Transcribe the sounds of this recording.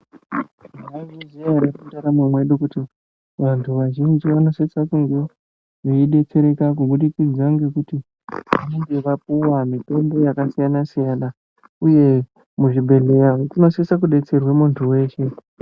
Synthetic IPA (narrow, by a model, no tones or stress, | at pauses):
aʒinziaɾarikutaɾamumwe̞ɗukuti | ʋantʰuʋaʒind͡ʒiʋano̞sesakuŋɡi | ʐiiɗe̞t͡se̞ɾe̞kak̬uɓuɗikid͡zaŋɡe̞kuti | ʋanoŋɡe̞ʋap̚uwamipe̞mbo̞jakasijanasijana | uje̞ | muʐibʱe̞le̞jatino̞sesak̬uɗe̞t͡se̞rwe̞muntʰuwe̞ːʃe